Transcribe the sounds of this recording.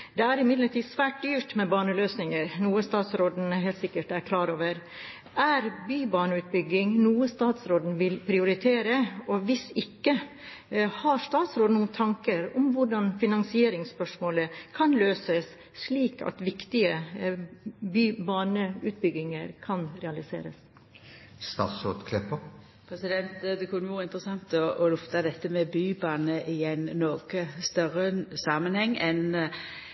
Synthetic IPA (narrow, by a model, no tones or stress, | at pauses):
d̪ɛæɾɪmɪd̪ləʈiːsʋæːʈ̚d̪yːʈmɛbɑːɳəløːsnɪŋəɾnuːəst̪ɑːt̪sɾoːd̪n̩ɦeːlt̪sɪkːəʈæɾkʰlɑːɾoːʋəɾ | ʔæɾbyːbɑːɳəʉːt̪̚bʏɡɪŋnuːəst̪ɑːt̪sɾoːd̪n̩ʋɪlpʰɾɪʊɾɪt̪ʰeːɾəɔʋɪsɪkːə | hɑɾst̪ɑːt̪sɾoːd̪nuːnt̪ʰɑŋkəɾʊmʋʊɖɑnfɪnɑnsɪeːɾɪŋspœʂmoːləkʰɑnløːsəs | ʂɭiːkɑ̰t̪ʋɪkt̪ɪə | byːbɑːnəʉːt̪̚bʏɡɪŋəɾkʰɑnɾɛɑlɪsḛːɾə̰s | st̪ɑ̰ːt̪sɾo̰ːd̪kʰlɛpːə | pʰɾɛsɪd̪ɛnt̪d̪ɛkʰʉnːəʋɔːɾəɪnt̪ɾəsɑŋt̪ɔɔlʊft̪ɑd̪ɛt̪ːəmɛbyːbɑːnəʔɪæɪnːɔɡ̥əst̪œɾəsɑːmənhɛŋːɛn